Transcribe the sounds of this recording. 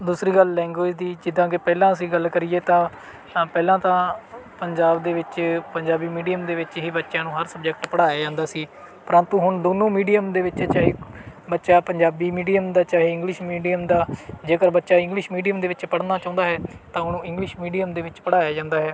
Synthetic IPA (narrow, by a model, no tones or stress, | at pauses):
d̪uːsɾiːɡəllɛ̃ːŋɡoːsd̪iːd͡ʒɪd̪ãːk̬ɪpɛːlãːəs̬ĩːɡəlkəɾieːt̪ãː | pɛːlãːt̪ãːpəɲd͡ʒaːbd̪eːʋɪt͡ʃpəɲd͡ʒaːbiːmiːɖijəmd̪eːʋɪt͡ʃɦiːbətːʃãːnũːɦəɾsəbd͡ʒəkʈpəɽaːjaːd͡ʒãːnd̪aːsiː | pəɾə̃nt̪ũːɦʊɳd̪oːnũːmiːɖijəmd̪eːʋɪt͡ʃt͡ʃaːɦeːbətːʃaːpəɲd͡ʒaːbiːmiːɖijəmd̪aːt͡ʃaːɦeːɪ̃ŋɡlɪʃmiːɖijəmd̪aːd͡ʒeːkəɾbətːʃaːɪ̃ŋɡlɪʃmiːɖijəmd̪eːʋɪt͡ʃpəɽnaːt͡ʃãːnd̪aːɦɛːt̪ãːʊnũːɪ̃ŋɡlɪʃmiːɖijəmd̪eːʋɪt͡ʃpəɽaːjaːd͡ʒãːnd̪aːɦɛː